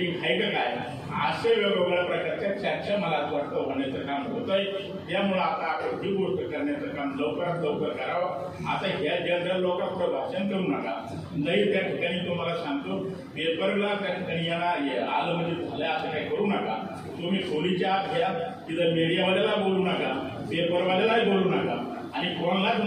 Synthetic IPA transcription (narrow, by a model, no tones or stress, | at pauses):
ikʰajkekaj | a̰ɕeʋeʋobɾapɾəkaɾt͡ɕasak̚ɕəm̤əlat̪ʋəɽt̪əbʱəɳjat͡səkamɦot̪əj | t̪jamuɭəapt̪ãːpẽɦibuɾt̪əkəɾɳjat͡səkamləwkəɾad̪əwkəɾkəɾaʋə | at̪aɦad͡ʑad͡zʱalokapɾəbʱaɕənkəɾuːnaka̰ | d̪əit̪jaʈʰikañĩt̪um̤alaɕãŋɡt̪o | pepəɾɡlat̪añijanːaja̰ləməd̪ʱed͡zʰʱaljaasəkajkəɾuːnəka | t̪umiːkolit͡ɕaat̪ɡʱjak̪it̪əmeɽijaʋəlelaboluːnaka | pepəɾʋəlelaɦiboluːnaka | aɽ̃ikoɳ̃lad͡z